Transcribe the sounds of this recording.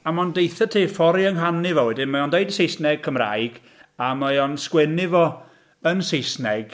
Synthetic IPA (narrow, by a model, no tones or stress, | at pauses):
amɔndejθətʰiːfɔɾjəŋɦanɪvɔwɛdɪnmajɔndejdəsejsnɛɡ̚kʰəmra̰jɡ̥ | amajɔnskwɛnɪvɔ | ənsejsnɛɡ̥